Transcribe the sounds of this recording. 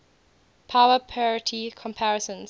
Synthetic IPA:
pʰaʊəpʰɔɹɪtʰikʰɔ̃mpʰaɹɛsə̃nz

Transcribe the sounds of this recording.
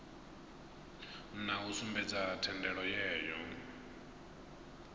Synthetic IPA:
n̩nausumbɛd͡zatʰɛndɛɺɔjɛːjɔ

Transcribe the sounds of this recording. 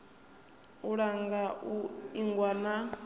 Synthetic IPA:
uɺaŋɡauiŋɡwana

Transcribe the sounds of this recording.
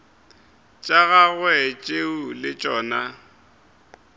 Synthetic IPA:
t͡ʃʼaɣaɣwɛt͡ʃʼeulɪt͡ʃʼɔːna

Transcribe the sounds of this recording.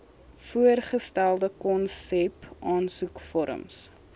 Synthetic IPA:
fuərχəstælˠdəkɔnsɛpɑːnsukfɔɾə̰ms

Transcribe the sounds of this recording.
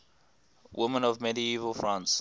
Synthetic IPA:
wʔɪmə̃nɔvmɛdiivəlˠfɹãns

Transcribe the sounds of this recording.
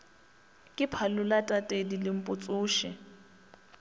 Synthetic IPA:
kʼɪpʰalʊlatʼatʼedilɪm̩pʼʊt͡sʼʊːʃɪ

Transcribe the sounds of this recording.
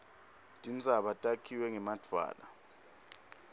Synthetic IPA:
tʼint͡sʼaɓatʼakʰiwɛŋɛmad̥ʱwa̰ːla̰

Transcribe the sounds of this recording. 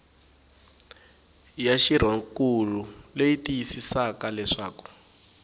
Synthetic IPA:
jaʃir̤aŋkululejitijisisakalɛʂaːku̥

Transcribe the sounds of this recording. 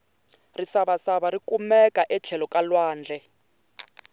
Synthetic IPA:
risaβasaβaɾikumɛkaʔɛt͡ɬʰɛlɔkalwaːnd͡ɮʱɛ

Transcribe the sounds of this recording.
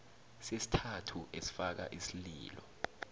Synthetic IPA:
sesi̥tʰatʰuʔesi̥fak̬a̰ʔisilḭːlɔ̰

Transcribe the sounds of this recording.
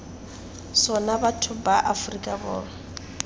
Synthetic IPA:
sɔnabatʰʊbaʔafrikʼabɔːla

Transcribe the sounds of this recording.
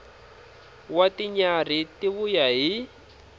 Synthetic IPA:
watiɲar̤itiβujaɦi

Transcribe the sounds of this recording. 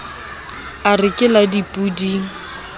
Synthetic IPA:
arɪkʼɪladipʼudi

